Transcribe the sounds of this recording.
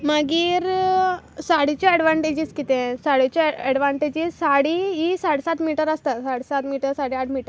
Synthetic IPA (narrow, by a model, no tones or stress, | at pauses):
məɡiːɾ | saɽ̤it͡ɕjɔɛɖʋaɳʈed͡ʑiːd͡zkit̪ẽsaɽit͡ɕɔɛɽʋaɳʈed͡ʑiːzsaɽiɦisaɽsat̪miʈəɾəst̪asaɽsat̪miʈəɾsaɽiaʈʰmiʈəɾ